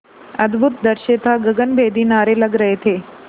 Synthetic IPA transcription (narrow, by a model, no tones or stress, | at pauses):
ɐd̪bʱut̪̚d̪əɾʃet̪ʰaɡəɡənbʱeːd̪ʱinaːɾeləɡɾəɦet̪ʰeː